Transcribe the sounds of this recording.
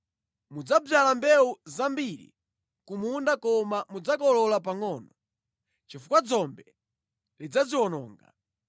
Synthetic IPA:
mud͡zab͡ʐalambɛuzambiɾḭ | kumundakɔmamud͡zakɔlɔlap̬aŋɔːnɔ | t͡ʃifukwad͡zɔmbɛ | lid͡zaziwɔnɔ̰ːŋɡa̰

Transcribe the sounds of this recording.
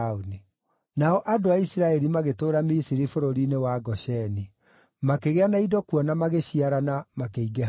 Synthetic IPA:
oni | naɔʔadoaisiɾaɛɾimaɣetoːɾamisiɾifoɾoɾinewaɡɔɕɛni | makeɣeanaidɔkuɔnamaɣeɕiaɾanamakeiɡe

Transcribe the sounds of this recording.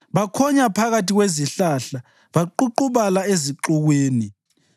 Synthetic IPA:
βakʰɔɲapʰaɣatiɣweziɬaɬa | βaǃuǃuβalaeziǃuɣweːni

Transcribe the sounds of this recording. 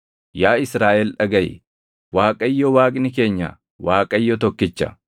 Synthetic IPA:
jaːɪsɾaːʔɛlᶑɐɡɐj̰ | waːkʼɐjːɔwaːkʼnɪke̞ːɲːɐ̰ | waːkʼɐjːɔt̪ɔkːɪt͡ʃːɐ̰

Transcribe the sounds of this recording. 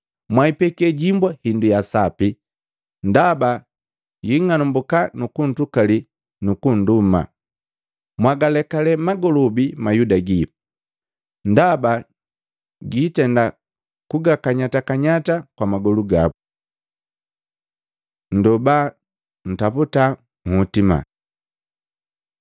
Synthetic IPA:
mwaipɛkɛɟimbwahindujasapi | ndaba | jiŋanumbukanukun̩tukali | nukun̩duma̰ | mwaɡalɛkalɛmaɡɔlɔbimajudaɡi | ndaba | ɡitɛnda | kuɡakaɲatakaɲatakwamaɡɔluɡabu | n̩dɔba | n̩taputa | ŋ̩hutima̰

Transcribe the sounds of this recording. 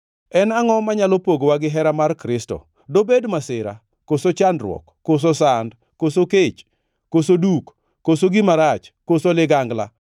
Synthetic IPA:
ɛnaŋɔmaɲalopoɡwaɡɪɦɛɾamarkɾɪstɔ̰ | dobedmasɪɾa̰ | kosot͡ʃandɾwɔ̰kːos̬osand | kosoket͡ʃ | kosodukː | osoɡiɪmaɾat͡ʃkosolɪɡaŋɡla̰

